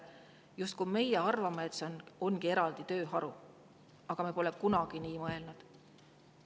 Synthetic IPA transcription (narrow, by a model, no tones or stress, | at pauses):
just̪̚kume̞jɛɑrvɑmeet̪seno̞nɡie̞ɾɑld̪it̪ø̞ːɦɑɾu | ɑɡ̥ɑmepo̞lɛkunɑɡ̥iniːmɤe̞lnud̪̥